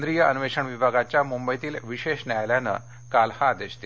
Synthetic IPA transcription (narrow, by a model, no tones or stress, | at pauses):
nd̪ɾijəənʋeʂəɳʋibʱaɡat͡ɕjamumbəjt̪iːlʋiɕeɕnajljanə̰ | kalhaːd̪eɕt̪e